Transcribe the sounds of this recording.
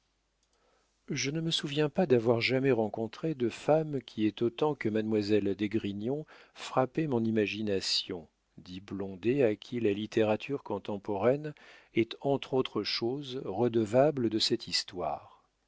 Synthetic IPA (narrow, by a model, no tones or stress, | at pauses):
ʒənəməsuvjɛ̃pad̪avwaʁʒamɛʁɑ̃kɔ̃t̪χed̪əfamkʲʰiɛt̪ot̪ɑ̃kəmad̪mwazɛld̪eɡʁinɔ̃fχapemɔ̃nimaʒinasjɔ̃ | d̪iblɔ̃d̪eakʲʰilalit̪ʰeʁat̪ʰyʁkɔ̃t̪ɑ̃pɔʁɛnɛt̪ɑ̃t̪χot̪χəʃozʁəd̪əvabləd̪əsɛt̪ist̪wa̰ːʁ